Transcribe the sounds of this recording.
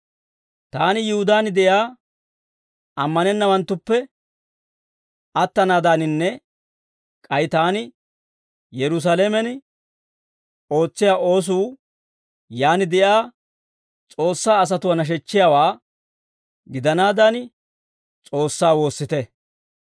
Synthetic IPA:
t̪aːnɪjʊhʊd̪aːnd̪ɛjaː | ɐmːɐnɛnːɐwɐnt̪ːʊpːɛ | ʔɐt̪ːɐnaːd̪anɪnːɛ | kʼɐjt̪aːnɪ | jɛɾʊs̬aːleːmɛn | o̞ːt͡sːɪjaːʔo̞ːs̬uː | jaːnɪd̪ɛjaː | t͡sʼo̞ːsːaːɐs̬ɐt̪ʊwɐnɐʃ̬ɛt͡ʃːɪjaːwaː | ɡɪd̪ɐnaːd̪ɐn | t͡sʼo̞ːsːaːwo̞ːsːɪt̪ɛ

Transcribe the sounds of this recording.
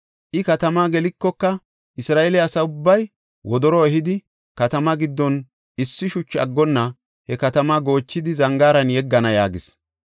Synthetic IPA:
ʔɪkɐt̪ɐmaːɡɛlɪkːɔkːɐ | ʔɪsɾaːʔelɛɐsɐʊbːɐj | wɔd̪ɔɾɔɛɦɪd̪ɪ | kɐt̪ɐmɐɡɪd̪ːɔn | ɪsːɪʃʊt͡ʃːɐ̰ɡːɔnːɐ | hɛkɐt̪ɐmaːɡo̞ːt͡ʃːɪd̪ɪzɐŋɡaːɾɐnjɛɡːɐnɐjaːɡɪs

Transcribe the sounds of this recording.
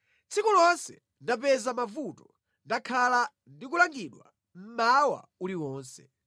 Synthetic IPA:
t͡sʰikulɔnsɛ̰ | ndap̬ɛzamavutɔ | ndakʰala | ndik̬ulaŋɡiɗwa̰ | m̩mawa̰uliwɔːnsɛ

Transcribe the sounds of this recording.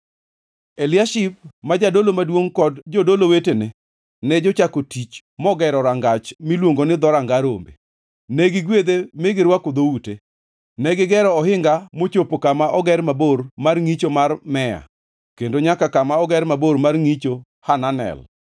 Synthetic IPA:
elɪaʃip̚mad͡ʒadolomadwoŋkɔdd͡ʒɔdolowetenɛ | nɛd͡ʒɔt͡ʃakotit͡ʃ | mɔɡɛɾɔɾaŋɡat͡ʃmilwoŋɡonɪd̪ɔɾaŋɡaɾo̰mbḛ | nɛɡɪɡwed̪emɪɡɪɾwakʊd̪oute | nɛɡɪɡɛɾɔɔɦɪŋɡamot͡ʃopokamaʔɔɡɛɾmaboɾmarŋit͡ʃomarmɛa̰ | kendoɲakakamaɔɡɛɾmaboɾmarŋit͡ʃo | hananɛ̰l

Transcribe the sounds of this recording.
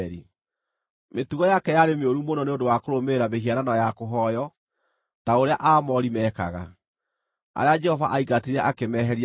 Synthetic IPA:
ɾi | metuɣɔjakɛjaɾemeoɾumonɔneondowakoɾomeɾameɦiaɾanɔjakoɦɔjɔ | taoɾeaʔaːmɔɾimɛːka̰ɣa̰ | a̰ɾead͡ʒɛhɔvaʔaiɣateɾɛʔakemɛːɦɛɾi

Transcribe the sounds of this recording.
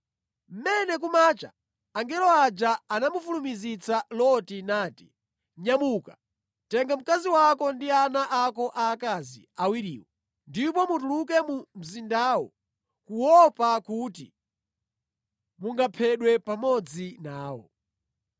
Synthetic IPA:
m̩mɛnɛk̬umaːt͡ʃa̰ː | ŋɡɛlɔad͡ʒaanamufulumizit͡sʰalɔtinaːti̥ | ɲamuːka | tɛŋɡam̩kaziwakɔndianaʔakɔʔakazḭawiɾḭːwɔ | ndipɔmutuluk̬ɛmum̩zindaːwɔ̰ | kuwɔpakutḭ | muŋɡapʰɛɗwɛpamɔd͡zinaːwɔ̰

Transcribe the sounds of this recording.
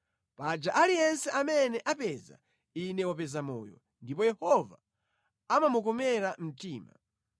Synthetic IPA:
pad͡ʒaʔalijɛnsɛʔamɛnɛʔapɛza̰ | inɛwapɛzamɔ̰ːjɔ̰ | ndipɔjɛhɔva̰ | amamuk̬ɔmɛɾam̩tiːma̰

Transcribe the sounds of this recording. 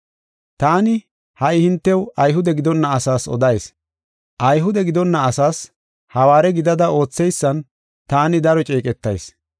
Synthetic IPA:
t̪aːnɪ | hɐɪhɪnt̪ːɛwɐjɦʊd̪ɛɡɪd̪ɔnːɐːsaːsɔ̰d̪ɐjs | ʔɐjɦʊd̪ɛɡɪd̪ɔnːɐːsaːs | hɐwaːɾɛɡɪd̪ɐd̪ɐo̞ːt͡sːɛjsːɐn | t̪aːnɪd̪ɐɾɔt͡ʃʼeːkʼɛt̪ːɐjs

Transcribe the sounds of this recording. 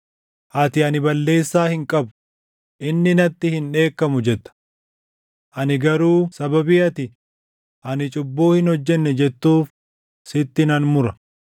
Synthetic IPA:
ʔɐt̪ɪɐnɪbɐlːe̞ːsːaːhɪŋkʼɐbʊ̥ | ʔɪnːɪnɐt̪ːɪhɪnᶑe̞ːkːɐmʊd͡ʒɛt̪ːɐ̥ | ʔɐnɪɡɐɾuːsɐbɐbiːɐt̪ɪ | ʔɐnɪt͡ʃʼʊbːoːhɪnhɔd͡ʒːɛnːɛd͡ʒɛt̪ːuːf | sɪt̪ːɪnɐnmʊɾɐ

